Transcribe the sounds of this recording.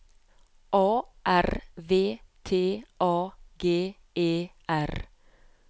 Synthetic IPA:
ʔɑːʔæɾʋeːt̪ʰeːʔɑːɡeː | ʔeːʔæɾ

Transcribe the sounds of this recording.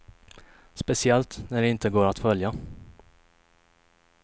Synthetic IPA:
spɛsɪɛlt̪næɖɛɪnt̪əɡoːɾat̪fœlja

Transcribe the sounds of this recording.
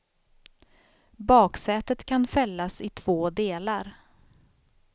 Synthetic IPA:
bɑːksɛːt̪ət̪kʰanfɛlːasɪt̪ʰv̥oːd̪eːlaɾ

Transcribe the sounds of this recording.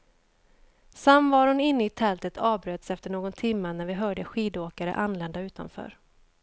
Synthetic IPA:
samːvɑːɾhʊnɪnːəɪt̪ʰɛlt̪ət̪ʰɑːvbɾøːt̪sɛft̪əɳoːɡɔnt̪ʰɪmːənæɾvɪɦœːɖəɧiːd̪oːkaɾə̰ʔanlɛnd̪aʉ̟ːt̪a̰nfœ̰ːɾ

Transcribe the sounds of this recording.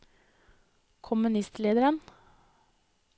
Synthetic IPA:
kʰʊmʉnɪst̪leːd̪əɾən

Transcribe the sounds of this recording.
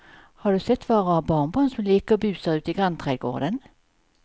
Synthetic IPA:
hɑɖʉsɛt̪ːʋɑːʁɔɑbɑːʁnbɑːnsɔmliːkəbʉːsæʉːt̪ɪɡʁant̪ʰʁeːd̪ɡo̰ːd̪ən

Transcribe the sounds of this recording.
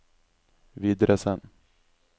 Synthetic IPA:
vid̪ɾɛsən

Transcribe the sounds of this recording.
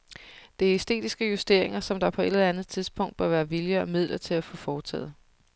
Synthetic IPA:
d̥e̝æɐisd̥e̝̰ːd̥isɡ̥əjusd̥e̝ɐ̰e̝ŋɐsɒ̽md̥ɑ̈ɐpʰɒ̽e̝d̥əðˠænð̩ˠt͡sʰiðˠsb̥ʰɔ̽ŋ̰d̥̚b̥ɶɐʋæːɐʋiljəɒmið̞̰ˠlʔɐt͡sʰe̝læfɔ̽fɒːt͡sʰɛ̰ːð̩ˠ

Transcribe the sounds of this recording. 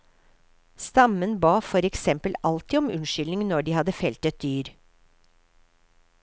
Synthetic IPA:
st̪ɑmənbɑːfɔɾɛksɛmpəlɑlt̪ɪːɔmʉnʃʏlnɪŋnɔɖiːhɑd̪əfɛlt̪ət̪̚d̪yːɾ

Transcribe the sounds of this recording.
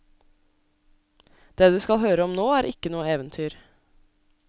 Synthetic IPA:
d̪̥eːd̪ʉːskɑlhøːɾəɔmnoːæːɾʔɪkənuːəeːʋənt̪ʰyːɾ

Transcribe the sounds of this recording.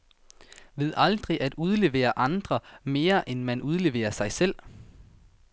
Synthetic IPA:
ʋe̝ð̞̰ˠɑld̥ʁiʔæd̥uð̞ˠle̝ʋe̝̰ːɐʔɑ̈nd̥ʁɐme̝ːɐʔenmænʔuð̞ˠle̝ʋe̝̰ːɐsɑ̈ɪsel̰

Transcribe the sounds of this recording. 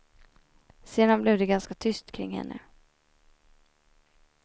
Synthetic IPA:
seːd̪anblɛvd̪ɛɡanskat̪ʰʏst̪kʰɾɪ̰ŋhɛ̰nːʔə̰

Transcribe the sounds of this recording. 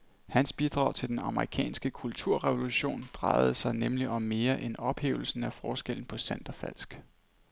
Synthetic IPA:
hænsb̥id̥ʁɑ̈ʊ̰t͡sʰe̝d̥enɑ̈məʁikʰɛ̰ːnsɡ̥əkʰult͡sʰuɐ̰ʁɛʋo̝luɕo̝̰ːnd̥ʁɑ̈ɪð̞̩ˠsɑ̈ɪnemliʔɒ̽mːe̝ːɐʔenɒ̽b̥hḛːʊl̩sn̩æfɒːsɡ̥el̰n̩pʰɒ̽sænd̥ɐfæl̰sɡ̥

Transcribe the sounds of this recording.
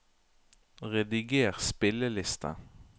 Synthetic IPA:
ʁɛd̪ɪɡeːʁspɪləlɪst̪ʰɑ̰

